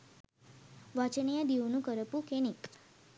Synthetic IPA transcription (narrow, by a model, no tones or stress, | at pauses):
ʋat͡ʃənijad̪iwnũkəɾəpukenik